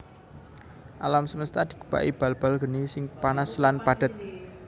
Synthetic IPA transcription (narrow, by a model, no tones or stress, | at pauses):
ʔalamsəməst̪ad̪̥i̤ɡ̥ə̤̥b̥a̰ʔib̥a̤lb̥alɡə̤nisɪŋpanaslanpad̪̥ə̤t̪̚